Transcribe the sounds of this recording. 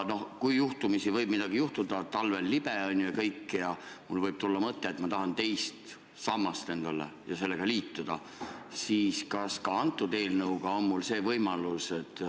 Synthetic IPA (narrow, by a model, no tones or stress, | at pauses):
no̞hkujjuht̪umisivɤjb̥mid̪̥ɑɡ̥ijuht̪ud̪̥ɑt̪ɑlve̞lːib̥eonʲːjujɑkɤjkːjɑmulvɤjb̥̚t̪ulːɑmɤt̪ːe̞ːt̪mɑt̪ɑɦɑnt̪e̞jst̪ | sɑmːɑst̪e̞nd̪̥ɑlḛjɑse̞lːeɡ̥ɑliːt̪ːud̪̥ɑ | siːskɑskɑɑnt̪ːˑud̪e̞ːlnɤwɡ̥ɑo̞nmulse̞ːvɤjmɑluse̞t̪ːˑ